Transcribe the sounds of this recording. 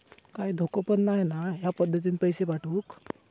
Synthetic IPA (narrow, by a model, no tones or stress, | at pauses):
kaiːd̪ʱokopənnajnaɦjapəd̪ʱːət̪̬inipəjseʋaʈʰuːk